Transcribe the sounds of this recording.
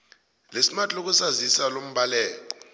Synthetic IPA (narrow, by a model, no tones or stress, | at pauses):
lesimatʼok̬usazisalom̩ɓalɛːlɔ